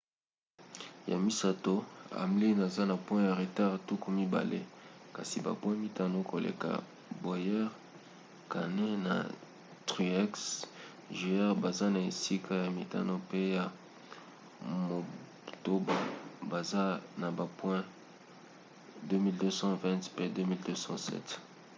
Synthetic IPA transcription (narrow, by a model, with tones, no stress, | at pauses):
ja̰˨mi˦sa˨to˦a̰˨mli˦na˨za˦na˨pwɛ̃˦ja˨ʁe˨ta˦ʁtu˦ku˦mi˦ba̰˨lʔḛ˦ka̰˨si˨ba̰˨pwɛ̃˦mi˦ta˦no˦ko˨lḛ˨ka̰˨ | bo˨jɛ˦ʁ | ka̰˨ne˦na̰˨ | tʁi˨ɛ˦ks | ʒi˨ɛ˦ʁba˨za˦na˨e˨si˦kʰa˦ja˨mi˨ta̰˦no˦pe˦ja˨ | mo˨ | to˦ba̰˨ba˨za˦na˨ba˨pwɛ̃˦ | dø˦mi˦ldø˦sɑ̃˦vɛ̃˦tpe˦dø˦mi˦ldø˦sɑ̰̃˦sɛ̰˦t